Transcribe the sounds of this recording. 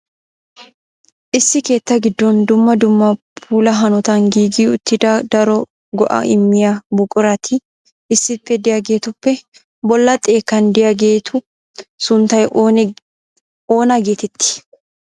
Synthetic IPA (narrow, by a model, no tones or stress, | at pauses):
ʔɪsːɪke̞ːt̪ːɐɡɪd̪ːɔnd̪ʊmːɐd̪ʊmːɐpʰuːlɐɦɐnɔt̪ɐŋɡiːɡiːʊt̪ːɪd̪ɐd̪ɐɾɔ | ɡɔʔɐ̰ʔɪmːɪjabʊkʼʊɾɐt̪ʰɪ | ʔɪsːɪpːɛd̪ɪjɐɡe̞ːt̪ʊpːɛ | bɔlːɐt̪ʼːe̞ːkːɐnd̪ɪjɐɡeːt̪ʰʊ | sʊnt̪ɐj | oːnɐɡe̞ːt̪ɛt̪ːɪ̥